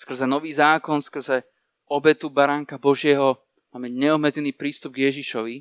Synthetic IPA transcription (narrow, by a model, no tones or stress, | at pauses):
skr̩zɛnɔʋiːzaːkɔnskr̩zɛ | ɔbɛt̪ubaɾaːŋkabɔʒɪɛɦɔ | maːmɛmaɟɲɛɔɦmɛd͡zɛniːpɾiːst̪ub̚ɡjɛʒiʃɔʋi